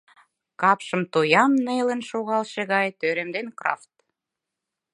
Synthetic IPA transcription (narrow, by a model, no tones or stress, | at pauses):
kɑpʃə̆mt̪ojɑmnelə̆nʃoɣɑlʃeɣɑjt̪øɾemd̪enkrɑ̰ft̪̚